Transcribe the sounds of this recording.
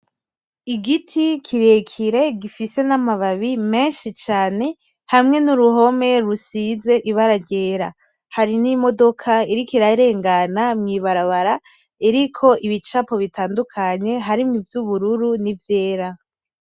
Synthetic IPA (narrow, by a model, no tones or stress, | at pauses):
iɡitʰikʰiɾekʰiɾe̞ɡifise̞namaβaβime̞ːnʃit͡ʃaːne̞ | hamŋe̞nuɾuɦo̞me̞ɾusize̞ʔiβaɾaɟe̞ːɾa̰ | haɾinimo̞do̞kʰaiɾikiɾaɾe̞ːŋɡanamŋiβaɾaβaɾa | iɾikʰo̞ʔiβit͡ʃapo̞βitʰaːndukʰaɲe̞ɦaɾimŋivjuβuɾuɾunivje̞ːɾa